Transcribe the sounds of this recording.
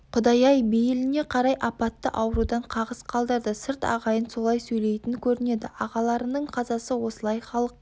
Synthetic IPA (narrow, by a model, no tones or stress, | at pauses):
qʰʊd̪ɑjɑjbejlɪne̞qʰɑɾɑjʔɑpɑt̪ːəʔɑwəɾud̪ɑɴqʰɑʁəzqʰɑlˠd̪əɾd̪əsɪɾt̪ɑ̰ʁɑjənso̞lˠɑjsɵjle̞jt̪ɪnkʲʰɵɾɪne̞d̪ɪʔɑʁɑlˠɑɾənəɴqʰɑzɑsəwo̞səlˠɑjχɑlˠəq̚